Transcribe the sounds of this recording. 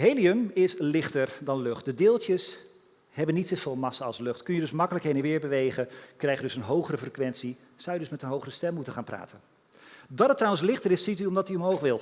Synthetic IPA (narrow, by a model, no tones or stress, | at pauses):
ɦejliəmɪslɪχtəɹdɑnlɵχt̚dədɪːlˠtəs | hɛbənːitsofɪːlˠmɑsəɑlˠslʏχtkɵnjədɵsmɑkələkɦejdənʋɪːɹbəʋejχənkrɛjχjdɵsənɦowχərəfrəkʋɛnsi | sawjədɵsmɛtənɦowχərəstɛmmutənχaːnmpra̰ːtən | dɑtətrɑwənslɪχtəɾɪsːityɔmdɑtyɔmɦowχʋɪlˠ